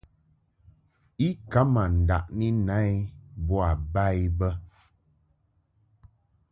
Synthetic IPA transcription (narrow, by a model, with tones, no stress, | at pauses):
i˦ka˨˦ma˨n̩˨da̰˨ʔni˦na˦i˦bɔ˦a˨ba˦˨i˦bə˦